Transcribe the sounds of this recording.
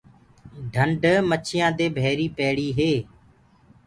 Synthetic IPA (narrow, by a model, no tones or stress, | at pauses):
ɖʱəɳɖmət͡ʃʰɪjãːd̪eːbʱɛːɾiːpɛːɽiːɦeː